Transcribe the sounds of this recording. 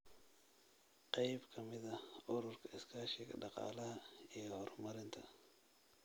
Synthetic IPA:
qɑjbkʰɐmɪðɐʔʊɾʊrkʰɐɪskʰaːʃɪɡɐ̰ɖɑqɑ̰ːlɐɦɐijɔhɔːrmɐɾɪnt̪ʰɐ

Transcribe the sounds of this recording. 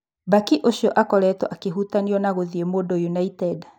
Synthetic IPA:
bakiʔoʃiɔʔakɔɾɛtɔʔakeɦutaniɔnaɣoðiemodɔjunaitɛd

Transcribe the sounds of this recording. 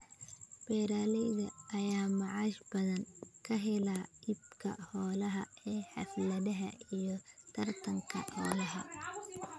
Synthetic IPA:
b̥ɛːɾaːlɛjðɐʔːjaːmɑʕɑːʃb̥ɐðɐŋkʰɐɦɪlaːibkʰɐ̰hɔːlɐɦɐʔɛːħɑ̰flɐðɐɦɐijɞt̪ʰɐrt̪ʰɐŋkʰɐ̰hɔːlɐɦɐ

